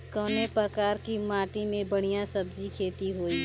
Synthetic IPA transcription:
kɔːnepɾəkaːɾkimaːʈimẽbəɽ̤̃ijãsəbd͡ʒikʰeːt̪iɦoːi

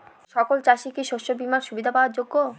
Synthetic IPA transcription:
ʃɔkolt͡ɕaʃikiʃoʃobimanʃubid̪ʱapaoaɾd͡ʑoɡːo

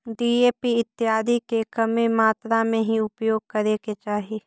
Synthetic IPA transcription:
ɖiːeːpiɪt̪ːɪɦaːd̪ikekɐmemaːt̪ɾamẽɦiʊpjoːɡ̚kəɾeːket͡ʃaːɦiː

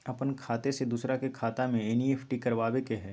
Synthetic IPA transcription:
ɐpənkʰaːt̪esed̪uːsɾakekʰaːt̪amẽeːnieːpʰʈikɐɾʋaːʋekeɦɛː

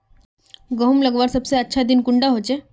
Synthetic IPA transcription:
ɡəɦumləɡʋaɾsəbseətːɕʰad̪iːnkuɳɖaɦot͡ɕe

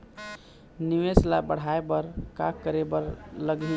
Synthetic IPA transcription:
niʋeslabəɽ̤aebəɾka̰kːəɾebəɾləɡi

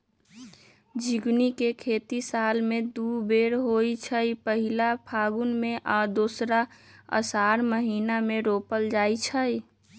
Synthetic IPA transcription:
d͡ʒiɡnikekʰeːt̪isaːlmẽd̪ubeɾɦoit͡ʃʰəipəɦilapʰaːɡʊnmẽʔaːd̪oːsɾaə̰saɾməɦiːnamẽɾoːpəld͡ʒaːit͡ʃʰəj

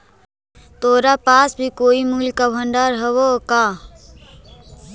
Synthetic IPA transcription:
t̪oːɾapaːsbʱikoːimuːlkabʱə̃ɳɖaːɾɦɐʋokaː

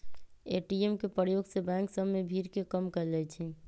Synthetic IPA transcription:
eʈiemkepɾəjoɡsebɛ̃ŋksəbːebʱiɾkekəmkəɾlɛt͡ʃʰi

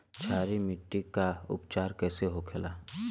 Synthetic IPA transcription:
t͡ʃʰaːɾimɪʈːikaʊ̰pt͡ʃaːɾkɛːseɦokʰelaː

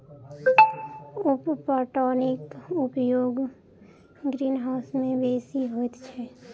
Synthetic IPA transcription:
ʊppɔːʈɔːnɪkʊpjoːɡ | ɡɾiːnɦaʊsmẽbeːsiɦoːt̪t͡ʃʰɛ

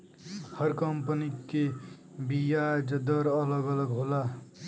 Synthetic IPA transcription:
hʌɾkʌmpənikːe | bijad͡ʒʌd̪ʌɾʌlʌɡʌlʌɡɦola

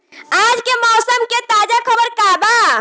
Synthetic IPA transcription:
ad͡ʒkemɔːsəmket̪ad͡ʒakʰəbəɾkaba

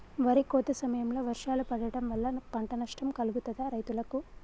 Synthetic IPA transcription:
ʋɐɾikoːt̪ːɐsɐmɐjɐmlo̞ːʋɐɾʂaːlupɐɽɐɽɐmʋɐlːɐpɐɳʈɐnɐʂʈɐmkɐluɡut̪ɐd̪ɐɾɐjt̪ulɐku

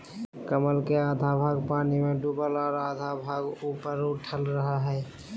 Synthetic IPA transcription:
kəməlkead̪ʱabʱaːɡpaːnimeɖubəlɔːɾad̪ʱabʱaɡupəɾʊʈʰəlɾəɦaɦɛː

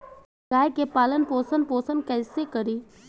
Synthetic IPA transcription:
ɡaːjkepaːlənpoːsənpoːsənkɛːsekəɾiː

